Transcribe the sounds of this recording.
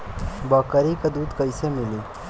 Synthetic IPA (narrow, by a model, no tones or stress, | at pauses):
bəkəɾikəd̪uːd̪kəjsemiliː